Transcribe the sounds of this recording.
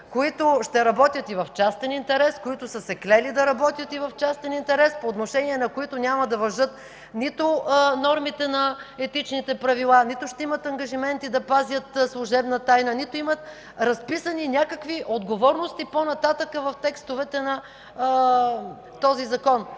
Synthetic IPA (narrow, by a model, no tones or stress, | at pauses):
koit̪ʊʃt̪ɛɾɐbɔt̪ʲjət̪ivɐft͡ʃast̪ɛnint̪ɛɾɛskoit̪ʊsəsɛklɛlid̪ɐɾɐbɔt̪jət̪ivɐft͡ʃast̪ɛnint̪ɛɾɛspoːt̪noʃɛniɛnɐkoit̪ʊnʲamɐd̪ɐvɐʒɤt̪̚ | nit̪ʊnɔɾmit̪ɛnɐɛt̪it͡ʃnit̪ɛpɾɐvilˠanit̪ʊʃt̪ɛimət̪ɐŋɡɐʒimɛnt̪id̪ɐpazʲjət̪slˠʊʒɛbnɐt̪ajnənit̪oimət̪ | ɾɐspisɐninʲakəkviʔod̪ɡovɔɾnost̪iponɐt̪at̪əkəvɐft̪ɛkst̪ovɛt̪ɛnɐ | t̪ɔzizɐkɔn